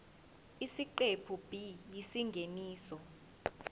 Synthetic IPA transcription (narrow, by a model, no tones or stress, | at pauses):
isiǃepʰub̥ʱijisiŋɡʱeniːsɔ